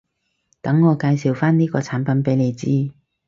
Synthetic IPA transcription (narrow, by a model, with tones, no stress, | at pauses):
t̪ɐ˨˥ŋːɔː˨˧kaː˧jsiː˨˩wfaː˥nniː˥kɔː˧t͡sʰaː˨˥npɐ˨˥npe˨˥jle˨˧jt͡siː˥